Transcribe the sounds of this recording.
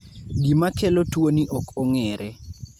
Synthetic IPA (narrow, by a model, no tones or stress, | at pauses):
ɡimakɛlotwoniʔɔkɔŋɛɾʔɛ